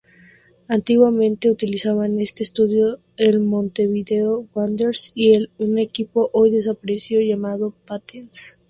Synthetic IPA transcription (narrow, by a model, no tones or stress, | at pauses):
ant̪iɣwamẽnt̪e̞ut̪ilisaβane̞st̪e̞ːst̪uðjo | elmõ̞nt̪e̞βiðe̞owand̪eɾsielune̞kipo̞ʔojðe̞sapaɾesjoʝamaðo̞pat̪ens